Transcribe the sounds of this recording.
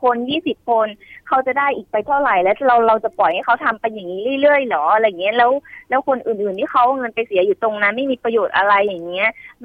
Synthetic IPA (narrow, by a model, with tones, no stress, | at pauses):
kʰo˧njiː˥˩si˨˩p̚kʰo˧nkʰa˦˥wt͡ɕa˨˩daː˥˩jʔiː˨˩k̚pa˧jt̪ʰa˥˩wɾa˨˩jlɛː˦˥ɾa˧wɾa˧wt͡ɕa˨˩pɔ˨˩jha˥˩kʰa˦˥wt̪ʰa˧mpa˧jːa˨˩ŋːiː˦˥ɾɯː˥˩jlɯ˥˩əjlɔː˩˦ʔa˧ja˨˩ŋːi˦˥ɐ˨lɛː˦˥wlɛː˦˥wkʰo˧nʔɯː˨˩nʔɯː˨˩nt̪ʰiː˥˩kʰa˦˥wʔa˧˩ŋɤ˧npa˧jsi˨˩˦juː˨˩t̪o˧ŋna˦˥ma˥˩jmiː˧pɾa˧joː˨˩t̪̚ʔa˧ɾa˧jːa˨˩ŋːi˦˥ɐ